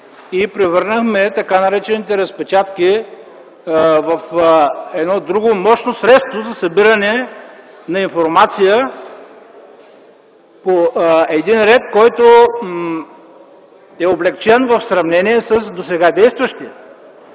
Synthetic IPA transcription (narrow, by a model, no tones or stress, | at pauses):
ipɾɛvɤɾnəxmɛt̪ɐkanɐɾɛt͡ʃɛnit̪ɛɾəspɛt͡ʃat̪ki | vɐfɛd̪nɔd̪ɾuɡomɔʃnosɾɛt̪st̪vozɐsɐbiɾɐnɛ | nɐinfoɾmat̪sijə | poɛd̪inɾɛt̪kɔjt̪o | ɛoblɛkt͡ʃɛnvɐfsɾɐvnɛniɛsəs̬d̪osɛɡad̪ɛjst̪vəʃt̪i